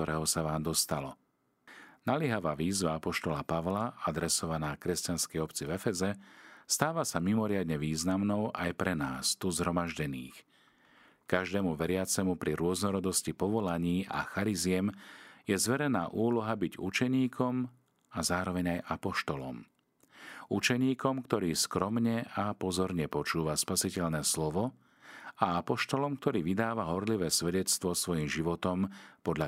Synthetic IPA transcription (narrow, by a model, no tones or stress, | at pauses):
ɔɾɛːɦɔsaʋaːmd̪ɔst̪alɔ | nalɪɛɦaʋaːʋiːzʋaapɔʃt̪ɔlapaʋlaʔad̪ɾɛsɔʋanaːkɾɛscanskɛjɔpt͡sivɛfɛzɛst̪aːʋasamimɔɾɪad̪ɲɛʋiːznamnɔʊʔajpɾɛnaːst̪uzɦɾɔmaʒɟɛnḭːx | kaʒd̪ɛːmuʋɛɾɪat͡sɛmupɾiɾʊɔznɔɾɔd̪ɔscipɔʋɔlaɲiːʔa̰xaɾizɪɛmjɛzʋɛɾɛna̰ːʔuːlɔɦabiɟṵt͡ʃɛɲiːkʰɔm | azaːɾɔʋɛɲajʔapɔʃt̪ɔlɔ̰m | ut͡ʃɛɲiːkɔmkt̪ɔɾiːskɾɔmɲɛapɔzɔɾɲɛpɔt͡ʃuːʋaspasicɛʎnɛːslɔʋɔ | aapɔʃt̪ɔlɔmk̚t̪ɔɾiːʋid̪aːʋaɦɔɾliʋɛːsʋɛɟɛt͡st̪ʋɔsʋɔjimʒiʋɔt̪ɔmpɔd̪ʎa